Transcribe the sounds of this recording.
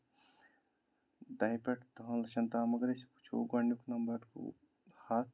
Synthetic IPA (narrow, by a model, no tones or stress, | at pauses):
d̪ɐjpɐʈt̪oɦɐ̃nlɐʃɐnt̪aːmɐɡɾespu̥t͡ʃʰṵːɡɐɳjuknɐmbɐɾkṵ | haː